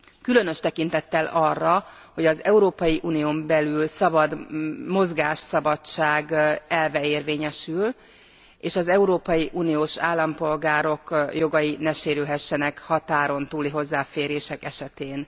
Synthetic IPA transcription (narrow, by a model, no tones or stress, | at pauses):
kylø̞nø̞ʃt̪ɛkin̪t̪ɛt̪ːɛlɒrːɒ | ho̞ɟɒzɛuɾoːpɒjiʔuːnijoːmbɛlylsɒbɒd̪mo̞zɡaːʃsɒbɒt͡ʃːaːɡɛlvɛeːrveːɲɛʃyl | eːʃɒzɛuɾoːpɒjiʔuːnijoːʃaːlːɒmpo̞lɡaːɾo̞kjo̞ɡɒjinɛʃeːɾylɦɛʃːɛnɛkhɒt̪aːɾo̞nt̪uːliɦo̞zːaːfeːɾeːʃɛkɛʃɛt̪eːn